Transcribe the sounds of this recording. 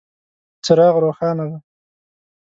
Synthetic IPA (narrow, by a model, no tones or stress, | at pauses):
t͡səɾɑɣɾoːxɑːnad̪a